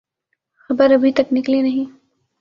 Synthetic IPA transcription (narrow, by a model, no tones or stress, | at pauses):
xɐbəɾɐbʱit̪ɐknɪklinɐɦĩ